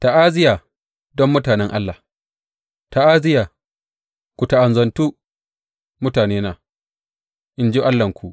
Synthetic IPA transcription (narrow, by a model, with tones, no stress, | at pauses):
ta˨ʔaː˦zɪ˦jaː˨ | dɔ˦mːʊ˦taː˨nɛ˦ŋʔa˦lːa˨ | ta˨ʔaː˦zɪ˦jaː˨ | kʷu˨ta˨ʔa˨nzɐ˨ntuː˦ | mʊ˦taː˨neː˦naː˨ | ʔɪ˦nd͡ʒe˦ʔa˦lːɐ˨ŋkʷu˨ʔ